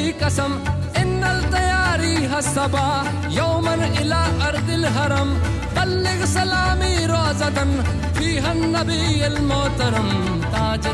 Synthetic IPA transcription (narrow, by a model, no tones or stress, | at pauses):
iːkɐsɐm | ɪnːɐlt̪ɐjaːɾiːɦɐsɐbaː | jɐwmɐnɪlaːʔɐɾt̪ɪlɦɐɾɐm | bɐlːɪɣsɐlaːmiːɾoːzɐt̪ɐn | fiːɦɐnːɐbiːjɐlmoːt̪ɐɾɐm | t̪aːd͡ʒɪ